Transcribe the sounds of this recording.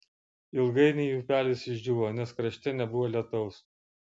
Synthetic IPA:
ɪlˠɡɐɪnʲɛɪjuːpʲæːlʲɪsɪʒʲd͡ʒʲuːʋoːnʲɛskɾɐʃʲt̪ʲɛnʲɛbʊʋoːlʲiɛt̪ɔʊs

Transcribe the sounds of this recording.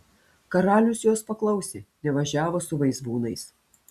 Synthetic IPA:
kɐɾɑːlʲʊsjoːspɐklˠɐʊsʲenʲɛʋɐʒʲæːʋoːsʊʋɐɪzbuːnɐɪs

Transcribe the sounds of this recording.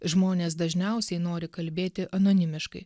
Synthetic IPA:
ʒmoːnʲeːsd̪ɐʒʲnʲɛʊsʲɛɪnoːɾʲɪkɐlʲbʲeːt̪ʲɪʔɐnoːnʲɪmʲɪʃkɐɪ

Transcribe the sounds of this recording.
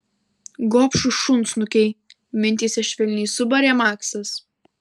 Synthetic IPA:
ɡɔːpʃʊʃʊnsnʊkʲɛɪ | mʲɪnʲt̪ʲiːsʲɛʃʲʋʲɛlʲnʲiːsʊbɐɾʲɛːmɑːksɐs

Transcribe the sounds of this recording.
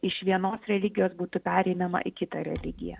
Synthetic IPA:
ɪʃʋʲiɛnoːsɾʲɛlʲɪɡʲɪjoːsbuːt̪ʊpʲæːɾʲɛɪnɐmɐ̰ʔɪkʲɪt̪ɐɾʲɛ̰lʲɪɡʲɪ̰jɛ̰

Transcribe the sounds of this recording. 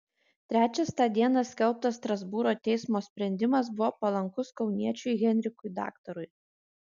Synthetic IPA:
t̪ʲɾʲæːt͡ʃʲɛst̪ɑːd̪ʲiɛnɑsʲkʲɛlˠp̚t̪ɐsst̪ɾɐzbuɾoːt̪ʲɛɪsmoːsʲpʲɾʲɛnʲd̪ʲɪmɐs̬bʊʋoːpɐlˠɐŋkʊskɒʊnʲiɛt͡ʃʲʊɪɣʲɛnʲɾʲɪkʊjd̪ɑ̰ːkt̪ɔɾʊj

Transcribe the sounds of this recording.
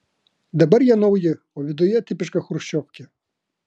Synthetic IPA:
d̪ɐbɛɾjanɔwjɪ | ɔʋʲid̪ʊjɛt̪ɪpɪʃkɐxɾʃt͡ʃːɔwkʲɪ

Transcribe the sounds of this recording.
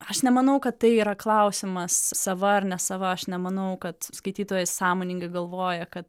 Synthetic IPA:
ɐʃnʲɛmɐnɐʊkɐttɐɪiːɾɐklˠɐʊsʲɪmɐssɐʋɐɐrnʲɛsɐʋɐɐʃnʲɛmɐnɐʊkɐt̪skɐɪt̪ʲiːt̪oːjɛɪssɑːmoːnʲɪŋɡɐɪɡɐlˠʋoːjɛkɐt̪

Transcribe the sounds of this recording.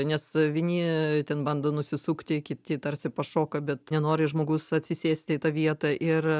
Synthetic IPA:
nʲɛsʋʲɪnʲiːt̪ʲɛnbɐnd̪oːnʊsʲɪsuːkt̪ʲɪkʲɪt̪ʲɪt̪ɐrʲsʲɪpɐʃoːkɐbʲɛt̪nʲɛnoːɾʲɪʒmoːɡʊsɐt̪ʲsʲɪsʲeːsʲt̪ʲɪɪt̪ɑʋʲiɛt̪ɐʔɪr

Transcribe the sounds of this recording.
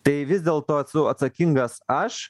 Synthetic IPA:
t̪ɐɪʋʲɪzʲd̪ʲeːlˠt̪oːɐt̪sʊɐt̪sɐkʲɪŋɡɐsɐʃ

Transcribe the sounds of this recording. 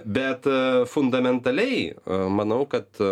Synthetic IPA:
bʲɛt̪fʊnd̪ɐmʲɛnt̪ɐlʲɛɪmɐnɐʊkɐt̪

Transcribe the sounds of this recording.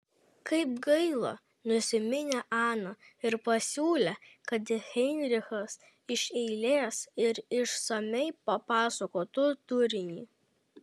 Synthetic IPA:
kɐɪpɡɐɪlˠo̰ː | nʊsʲɪmʲɪnʲeʔɑːnɐɪɾpɐsʲuːlʲekɐt̪ʲɪxʲɛɪnʲɾʲɪxɐs | ɪʃʲɛɪlʲeːsɪɾɪʃsɐmʲɛɪpɐpɑːsokoːt̪ʊt̪ʊɾʲɪnʲiː

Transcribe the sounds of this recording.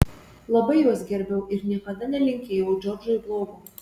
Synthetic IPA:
lˠɐbɐɪjuɔsɡʲɛɾʲbʲɛʊʔɪɾnʲiɛkɐd̪ɐnʲɛlʲɪŋʲkʲeːjɛʊd͡ʒʲɔɾd͡ʒɔjblˠoːɡʊ

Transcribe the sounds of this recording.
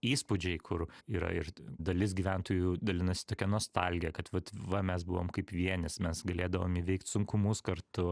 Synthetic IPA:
iːspʊd͡ʒʲɛɪkʰʊɾiːɾɐ̰ɪɾd̪ɐlʲɪsɡʲiːʋʲænt̪oːjuːd̪ɐlʲɪnɐsʲɪ̥t̪oːkʲɛnuɔst̪ɐlʲɡʲɪjɛkɐt̪ʋɐt̪ʋɐmʲɛsbʊʋoːmkɐɪpʋʲiɛnʲɪsmʲɛsɡɐlʲeːd̪ɐʋoːmiʋʲɛɪkt̪sʊŋkʊmʊskɐɾt̪ʊ

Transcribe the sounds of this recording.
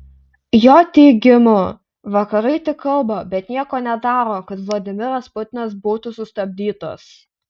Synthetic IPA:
joːt̪ʲɛɪɡʲɪmʊ | ʋɐkɐɾɐɪt̪ʲɪkːɐlˠbɐbʲɛt̪nʲiɛkoːnʲɛd̪ɑːɾoːkɐt̪ʋlˠɐd̪ʲɪmʲɪɾɐspʊt̪ʲɪnɐsbuːt̪ʊsʊst̪ɐbʲd̪ʲiːt̪o̰ːs

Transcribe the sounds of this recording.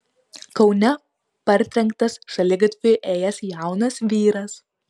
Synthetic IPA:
kɒʊnʲɛ | pɐɾʲt̪ʲɾʲɛŋkt̪ɐsʃɐlʲɪɡɐt̪ʲʋʲɪʔeːjɛsjæˑʊnɐsʋʲiːɾɐs

